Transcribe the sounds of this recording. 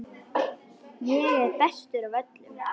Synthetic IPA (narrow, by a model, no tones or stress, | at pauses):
jɛɛɾ̥θɛst̪ʏɾavœt̪lʏm